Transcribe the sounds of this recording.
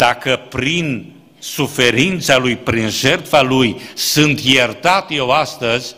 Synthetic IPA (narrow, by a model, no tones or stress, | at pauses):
d̪̥akəpɾin | sufe̞ɾint̪salujpɾinʒert̪falujsɨnt̪jert̪at̪je̞wast̪əzʲ